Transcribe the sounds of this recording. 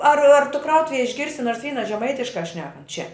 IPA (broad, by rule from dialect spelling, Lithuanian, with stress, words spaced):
ɐr ɐr tʊ ˈkrɐʊtʊʋʲɛj ɪʒʲˈɡʲɪrʲsʲɪ ˈnoːrs ˈʋʲiːnɐ ʒʲɛˈmɐɪtʲɪʃkɑː ˈʃʲnʲæːkɐnt t͡ʃʲɛ